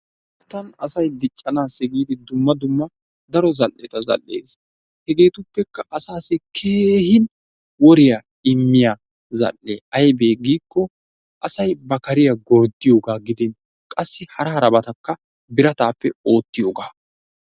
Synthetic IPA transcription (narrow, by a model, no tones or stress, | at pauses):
t̪ːɐnɐsɐjd̪ɪt͡ʃʼːɐnaːsɛɡiːd̪ɪd̪ʊmːɐd̪ʊmːɐ | d̪ɐɾɔzɐlːɛt̪ɐzɐ̰lːḛːs | hɛɡe̞ːt̪ʊpːɛkːɐʔɐsaːsɪkʰeːhɪn | wɔɾɪja | ɪmːɪjaː | zɐ̰lːeːɐjbe̞ːɡiːkːɔ | ʔɐsɐjbɐkɐɾɪjɐɡɔɾd̪ɪjo̞ːɡaːɡɪd̪ɪn | kʼɐsːɪhɐɾɐɾɐbɐt̪ɐkːɐ | bɪɾɐt̪aːpːɛo̞ːt̪ːɪjo̞ːɡaː